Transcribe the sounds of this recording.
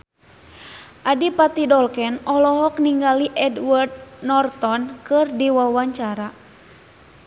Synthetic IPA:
ʔadipat̪idɔlkɛnɔlɔɦɔkniŋɡaliʔɛdward̪̚nɔrt̪ɔnkɨrdiwawaɲt͡ʃaɾa

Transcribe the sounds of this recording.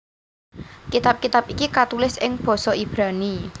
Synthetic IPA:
kit̪ap̚kit̪apikikat̪ulɪsɪŋb̥ɔ̤sɔib̥ɾani

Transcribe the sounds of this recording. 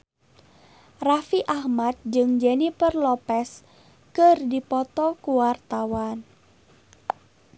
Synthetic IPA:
rafiʔahmat̪̚d͡ʒɨŋd͡ʒɛnifərlɔpɛs | kɨrdipɔt̪ɔkuwart̪awan

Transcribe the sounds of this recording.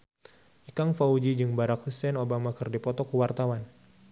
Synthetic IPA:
ʔikaŋfaud͡ʒid͡ʒɨŋbaɾak̚husɛnobamakɨrdipɔt̪ɔkuwart̪awan

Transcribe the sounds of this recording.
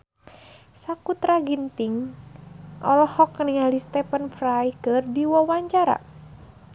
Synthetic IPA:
sakut̪ɾaɡint̪iŋ | ʔɔ̰lɔhɔkːəniŋalist̪ɛpənfɾajkɨrdiwɔwaɲt͡ʃaɾa̰

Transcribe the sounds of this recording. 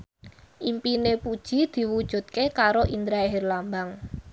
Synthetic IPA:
ʔimpinepud̥ʒ̥i̤d̪̥i̤wud̥ʒ̥ṳt̪̚kekaɾoʔind̪ɾaeɦerlambaŋ

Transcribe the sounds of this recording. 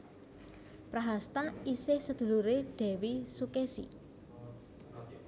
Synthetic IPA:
pɾaɦast̪aisɪhsəd̪̥ṳluɾeɖ̥ɛ̤wisukesḭ

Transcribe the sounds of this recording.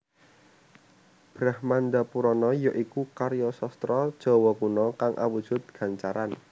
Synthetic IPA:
b̥ɾahmand̪apuɾɔnɔjɔʔikukaɾjɔsɔst̪ɾɔd̥ʒ̥ɔ̤wɔkunɔkaŋʔa̰wud̥ʒ̥ʊ̤t̪̚ɡ̥ä̤ɲt͡ʃaɾan

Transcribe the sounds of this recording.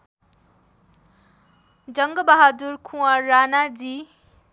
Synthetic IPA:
d͡ʒʌŋɡəbaɦaduɾkʰũwaɾanad͡ʒi

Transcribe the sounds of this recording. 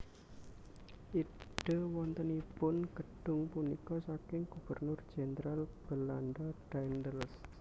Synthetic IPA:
ʔiɖ̥ə̤wɔnt̪ənipʊnkəɖ̥ʊ̤ŋpunikɔsakɪŋɡ̥ub̥ərnʊrd̥ʒ̥enəɾalb̥əlandaɖ̥aind̪əls

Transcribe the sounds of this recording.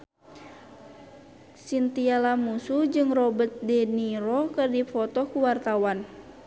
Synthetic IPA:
sint̪ialamusud͡ʒɨŋrɔbət̪̚diniɾɔkɨrdifɔt̪ɔkuwart̪awan

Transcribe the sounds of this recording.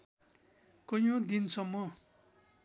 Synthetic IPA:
kʌjõd̪insʰʌmːʌ

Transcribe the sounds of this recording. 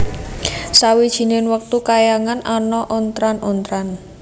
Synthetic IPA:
sawid̥ʒ̥i̤nɪnwək̚t̪ukajaŋananɔʔɔnt̪ɾanɔnt̪ɾan

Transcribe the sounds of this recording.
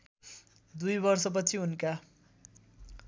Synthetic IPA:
d̪ujbʌrsʌp̬ʌt͡sʰiunka

